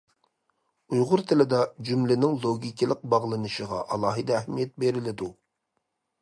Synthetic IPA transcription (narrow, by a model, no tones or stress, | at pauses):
ujʁʊɾt̪ʰɪlɪd̪ɑd͡ʒymlɪnɪŋlˠoɡʲikʲʰilˠəq̚bɑʁlˠɨnɨʃəʁɑ̰ʔɑlˠɑːɦɨd̪ɛæhmijɛt̪̚beɾɪlɪd̪u